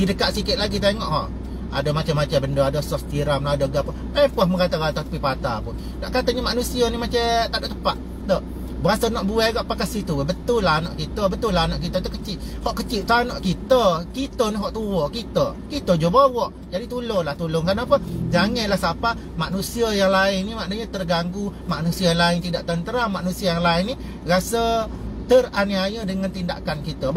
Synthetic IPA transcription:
ɡidəkaʔsikɪt̪̚laɡit̪̬eŋɔʔhɔ̰ʔ | a̰domat͡ʃamːat͡ʃəbəndoadɔsɔft̪iɾamnaadɔɡapɔ | epɔhməɡat̪aɡat̪ɔpipat̪apʊn | na̰ʔkat̪əɲəmaʔnusiənimat͡ʃət̪aʔdoʔt̪əpaʔ | t̪ɔʔ | basənɔʔbuɛɡaʔpakasit̪ubət̪ʊlaanɔʔkit̪əbət̪ulanɔʔkit̪ət̪ukət͡ʃiʔhɔʔkət͡ʃiʔt̪anɔʔkit̪əkit̪əniɦɔʔt̪uwokit̪əkit̪əd͡ʒobawɔʔ | d͡ʒadit̪ulʊnlaht̪ulʊŋkɾənapəd͡ʒaŋəlahsapa | maʔnusiəjaŋlaɪnnimaʔnəɲət̪ərɡaŋɡumaʔnusiajaŋlaɪŋt̪idaʔt̪ənt̪əɾamaʔnusiajaŋlaɪnːi | rasət̪əraniajədəŋant̪inda̰kankit̪ə

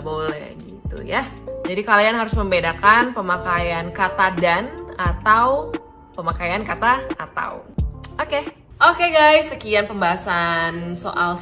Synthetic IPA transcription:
bolɛ̰hɡit̪ṵjad͡ʒadikalianɦaɾʊsməmbedakanpəmakajankat̪adanat̪aw | pəmakajankat̪aːt̪a̰wʔoke | ʔokeɡajsːəkianpəmbaɦasanso̰ʔal

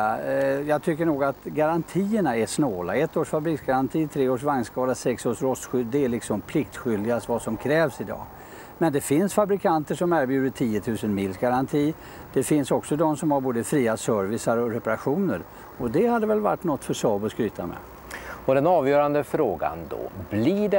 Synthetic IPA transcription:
jɑːɡt̪ʰʏkːəɳuːɡat̪ɡaɾant̪ʰiːəɳaɛʂnoːla̰ɛt̪ːoːʂfabɾiːksɡaɾant̪ʰiːt̪ʰɾeːoːʂvaŋnskɑːlasɛksoːʂɾɔst̪ːɧʏd̪d̪ɛæɭɪksɔmpʰlɪk̚t̪ɧʏld̪ɪɡast̪vasɔmkʰɾɛːvsɪd̪ɑ̰ː | mɛnd̪ɛfɪnsfabɾɪkʰant̪əʂɔmæɾbjʉ̟ːd̪əʈʰiːət̪ʰʉ̟ːsənmɪlsɡaɾant̪ʰiː | d̪̥ɛfɪnsɔksɔd̪ɔmsɔmhaɾboːd̪əfɾiːasœɾvɪsaɾɔɾɛpaɾaɧuːnəɾ | ɔd̪ɛhad̪ːəvɛlva̰ʈːnɔt̪ːfœʂɑːbɔskɾyːt̪amɛ̰ | ɔd̪ɛnɑːvjœːɾand̪əfɾoːɡa̰nd̪o̰bliɖɛ

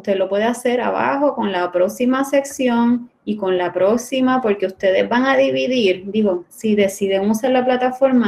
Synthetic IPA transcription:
ust̪e̞ðlo̞pwe̞ðease̞ɾa̰βa̰ɦo̞ko̞nlapɾo̞ksimase̞ksjo̞ŋ | iko̞nlapɾo̞ksimapo̞ɾke̞ust̪e̞ðe̞zbaŋaðiβiðiɾd̪iɣo̞siðe̞siðeŋusaɾlaplat̪afo̞ɾma

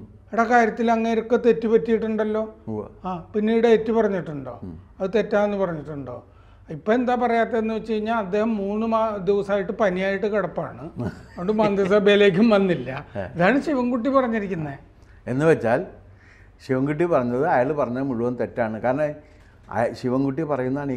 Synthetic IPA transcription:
iɽɐkaːɾjɐt̪ːilɐŋːeɾokːet̪e̞tːipɐtːijiʈːuɳɖɐlːo̞ːaːpinːiːɽɨetːipɐrɐɲːiʈːuɳɖo̞ːɐðɨt̪e̞tːaːmenːɨpɐrɐɲːiʈːuɳɖo̞ː | ipːoe̞nd̪aːpɐrɐjaːt̪ːeenːɨʋet͡ɕːejiɲːaːlɐd̪ːe̞ːhɐmːuːnːɨmad̪iʋɐsaːjiʈːɨpɐnijaːjiʈːɨkeɽɐpːa̰ːɳɨoɳɖɨmɐnd̪iɐsɐbʱejile̞ːk̬ʲːumʋɐnːilːɐiðaːɳɨɕiʋɐŋɡuʈːipɐrɐɲːiɾikʲːunːɐe | e̞̰nːɨʋet͡ɕːaːl | ɕiʋɐŋɡuʈ̬ːipɐrɐɲːɐðɨɐjaːɭpɐrɐɲːɐmuɭuʋɐmt̪e̞tːaːɳɨkaːɾɐne | ɐ̰ɕiʋɐŋɡuʈ̬ːipɐrɐjunːɐaːɳi

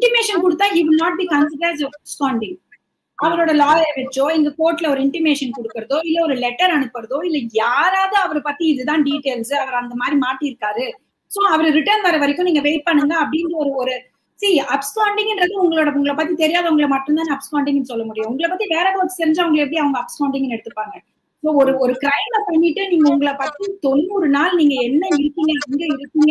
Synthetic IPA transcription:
ɪɳʈɪmeːʂɐnkɔɽɯt̪ːaːɦiːʋɪlnaːʈ̚biːkɐnsɪʈɐɾɛːsɔfɐpskaːɳɖɪ̃ŋɡ | ɐʋɐɾoːɽɐlaːlɐʋɛt͡ʃːoːɛŋɡɐkoːʈːlɐɔɾɯɪɳʈɪmeːʂɐnkɔɽɯkːɪɾɐðoːɪlːɛɔɾɯlɛʈːɐɾɐɳɯpːɐɽɐðoːɪlːɛjaːɾaːðɐɐʋɐɾpɐt̪ːiɪðɯt̪ãːɖiːʈːeːlsɯɐʋɐɾɐnd̪ɐmaːd̪ɾimaːʈːɪɪɾɯkːaːɾɯ | soːɐʋɐɾɯɾɪʈɐɾnʋɐːɾɐʋɐɾɪkːʊ̃niːŋɡɐʋeɪʈ̚pɐɳːɯŋɡɐːpːɐɽɪnɐɔɾɯɔɾɯ | siːɐpskaːɳɖɪŋɡɪndɾɐðɯʊŋɡɐɭoːɽɐʊŋɡɐɭɐpaːt̪ːit̪ɛɾɪjaːɣɐʊŋɡɐɭɐmɐʈːɯnt̪aːnɐpskaːɳɖɪŋɛnːɯsɔlːɐmʊɽɪjʊ̃ʊŋɡɐɭɐpːɐːt̪ːiʋeːɾɐːkːʋɐt͡ʃ̪ːɯ̥sɛɾɪɲd͡ʒaɐʋɐŋɡɐɭkɛp̬ːɐɽiɐʋɐŋɡɐɐpskaʊɳɖɪŋɡnɛɽɯt̪ːɯpːaːŋɡɐ | soːɔɾɯɔɾɯkɪɾɐɪmlɐpɐɳːɪʈːɯniːŋɡɐʊŋɡɐɭɐpaːt̪it̪ɔnːuɾɯnaːlniːŋɡɐɛnːɐɪɾɯkːɪŋɡɐŋɡɐɪɾɯkːɪŋɡɐ

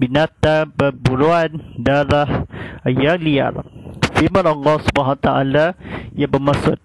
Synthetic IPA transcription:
binat̪abəɾbuɾuandalahjalia̰lfiməɾɔŋɡɔsu̥baɦat̪aʔa̰lajabəmasʊt̪̚

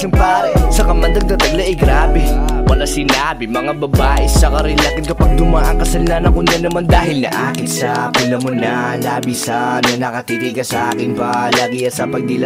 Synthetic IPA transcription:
sɐŋpaːɾɪsɐkɐmɐnd̪ɐɡ̚nɐt̪ɐɡlɐʔɪɡɾaːbɛwɐlasɪnaːbɪmɐŋabɐbaːʔɛsɐkɐɾɪnlaːkɪnkɐpɐɡ̚d̪ʊmaʔɐŋkɐsɐlnanɐkʊnd̪ɐnːɐmand̪aːɦɪlnɐ̰ʔaːkɪnsɐpʊlɐmonɐlaːbɪsɐnɐnɐkɐt̪it̪iɡɐsɐʔaːkɪnpɐlaːɡɪjɐsɐpɐɡ̚d̪ɪlɐ

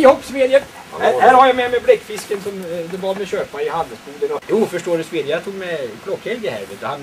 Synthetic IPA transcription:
hɔpsmeːd̪ɪə | hæhæːɾhaɾjamɛmɛblɛkːfɪskənsɔmd̪ɛvɑɾmɛɕøːpmanɪhand̪əsbuːd̪ənɔɛuːfœʂʈoːləsmeːd̪ɪjat̪ʰuːɡmɛb̥ʰlɔkːhɛlɡəhæ̰ɾʋḛːt̪əhan

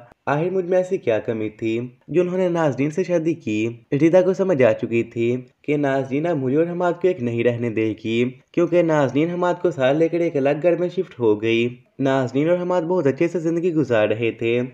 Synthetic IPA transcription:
aːɦɪɾmʊd͡ʒʱmẽɛːsikjaːkɐmit̪ʰid͡ʒoːʊnɦõːnenaːzniːnseʃaːd̪ikiːɾiːd̪akosɐməd͡ʒʱaːt͡ʃʊkit̪ʰikenaːzniːnamʊliɔːɾɦɐmaːt̪̚koeːknɐɦĩɾɛɦned̪eːkiːkjõːkenaːzniːnɦɐmaːt̪̚kosaːɾleːkəɾeːkɐləɡɡɐɽmẽʃɪfʈɦoːɡɐi | naːzniːnɔːɾɦɐmaːt̪̚bɔːʊt̪ɐtːʃʰesezɪ̃nd̪əɡiɡʊzaːɾːɐɦet̪ʰeː

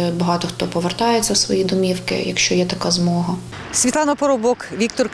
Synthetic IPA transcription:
bɔɦɑt̪ɔxt̪ɔpɔʋert̪ɑjet͡sʲːɐwsʋɔjid̪ɔmʲiwkɪ̰jɐkʃt͡ʃɔjɛt̪ɐkɑzmɔɦɐ | sʲʋʲit̪lˠɑnɐpɔɾɔbɔkʋʲik̚t̪ɔr

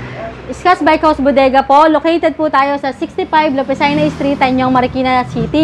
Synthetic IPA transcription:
ʔɪskasbajkhawsbod̪ɛːɡɐpo̞lokɛjt̪ɛd̪̚put̪aːjo̞sɐsɪkst̪ɪfajblopɛsajnɐɪst̪ɾiːt̪ɐɲoŋmɐɾkinɐsiːt̪i

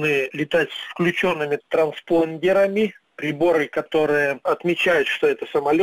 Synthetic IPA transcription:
nɨlʲɪt̪atʲsfklʲʉt͡ɕo̞nːɨmʲɪt̪ɾɐnsponʲdʲɪɾəmʲɪ | pɾʲɪbo̞ɾɨjkɐt̪o̞ɾɨjəɐt̪mʲɪt͡ɕæjʊt̪ʂt̪oɛt̪əsəmɐlʲ

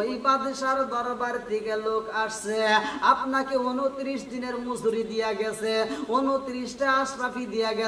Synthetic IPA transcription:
ibad̪eʃaɾd̪ɔɾbaɾt̪ikelokaʈʰseapnakeonot̪ɾisd̪ineɾmusuɾid̪ijaɡɛseonot̪ɾisʈeasɾapʰid̪ijaɡɛ

